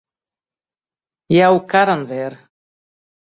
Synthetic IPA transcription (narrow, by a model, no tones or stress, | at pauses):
jawkaɾanvɛɾ